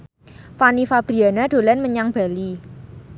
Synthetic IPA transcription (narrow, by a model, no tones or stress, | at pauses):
fanifab̥ɾianaɖ̪̥o̤lanməɲaŋb̥a̤li